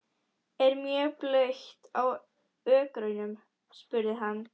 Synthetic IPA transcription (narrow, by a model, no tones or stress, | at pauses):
ɛɾmjɛplœɥçt̪aw | œːkɾœɥnʏm | spʏɾðɪɦanː